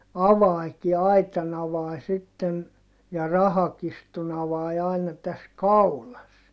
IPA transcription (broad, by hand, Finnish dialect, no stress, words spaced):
ɑʋɑiki ɑitɑn ɑʋɑi sitːen jɑ rɑhɑkistun ɑʋɑi ɑinɑ tæs kɑulɑs